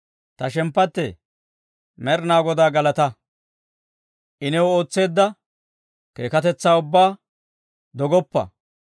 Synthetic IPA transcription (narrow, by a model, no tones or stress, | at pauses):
t̪ɐʃɛmpːɐt̪ːɛ̰ | mɛɾnaːɡɔd̪aːɡɐlɐt̪ɐ | ʔɪnɛwo̞ːt͡sːe̞ːd̪ːɐ | ke̞ːkɐt̪ɛt͡sːaːʊbːaː | d̪ɔɡɔpːɐ̰